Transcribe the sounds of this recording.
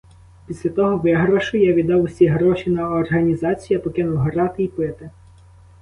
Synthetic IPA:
pʲisʲlʲɐt̪ɔɦɔʋɪɦɾɔʃʊjaʋʲid̪ɑwʊsʲiɦɾɔʃʲinɐɔrɦɐnʲizɑt͡sʲijɐpɔkɪnʊwɦɔɾɑt̪ɪipɪt̪ɪ

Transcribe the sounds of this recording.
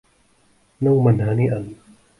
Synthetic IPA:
nɔŋmanhaːniʔan

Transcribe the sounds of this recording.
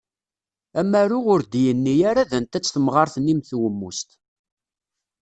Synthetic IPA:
æmːæɾʊʁʊɾd̪jənːijaɾaðænt̪æt͡sːθəmʁɑɾˤθnːimθwəmːust̪

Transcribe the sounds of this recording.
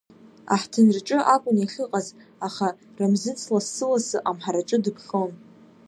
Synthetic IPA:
a̰ħtʰɨnrʈ͡ʂʼɨʔakʷʼʊniχʲɪqʼazaχa | ramzɨt͡sʰʼlasːɨlasɨʔamħaɾaʈ͡ʂʼɨdɨpʰχʲon

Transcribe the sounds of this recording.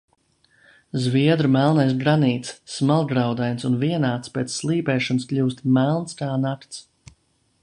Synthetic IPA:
zviɛd̪ɾumælˠnajsɡɾaniːt̪sːmalˠɡɾawd̪ajnsunviɛnaːt̪spʲɛːt̪sːlˠiːpɛːʃɔnskʎʲuːst̪mælˠnskaːnakt̪s

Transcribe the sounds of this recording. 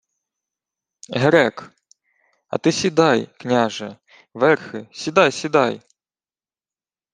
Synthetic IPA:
ɦɾɛk | ɐ̰t̪ɪsʲid̪ɑjknʲaʒɛ | ʋɛrxɪsʲid̪ɑjsʲid̪ɑj

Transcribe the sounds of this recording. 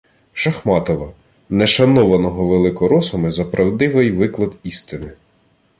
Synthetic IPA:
ʃɐxmɑt̪ɔʋɐ | nɛʃɐnɔʋɐnɔɦɔʋelˠɪkɔɾɔsɔmɪzɐpɾɐwd̪ɪʋɪjʋɪklˠɐd̪ist̪ɪnɪ

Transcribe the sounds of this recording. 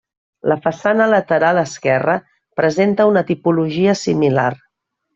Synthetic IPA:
ləfəsanələt̪əɾalˠəskɛrə | pɾəzent̪əunət̪ipuluʒiəsimila̰r

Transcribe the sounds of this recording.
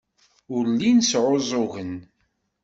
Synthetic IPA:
ʊɾlinsʕozˤoɣən

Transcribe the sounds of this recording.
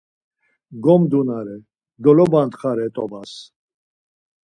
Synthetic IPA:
ɡɔmd̪unaɾɛ | ɡɔlɔbant̪χaɾɛt̪ʼɔbas

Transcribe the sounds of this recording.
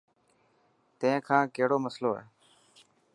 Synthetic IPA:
t̪ẽẽːkʰãːkeːɽoːməsloːɦɛ̰ː

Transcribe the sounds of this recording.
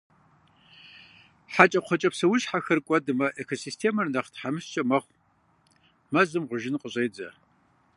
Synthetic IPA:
ħat͡ʃʼɐqʷʰɔt͡ʃʼɐpsɐwʊʃħaxɐrkʷʼɔdɨmɐʔekʰosistʰeːmɐrnɐχtħamɨst͡ʃʼɐmɐχʷ | mɐzɨmʁʷʊʒɪnqʼəɕʼejd͡zɐ̰

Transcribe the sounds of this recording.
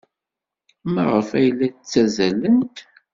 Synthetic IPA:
mæʁəfæjlːæt͡sːæzælənt̪

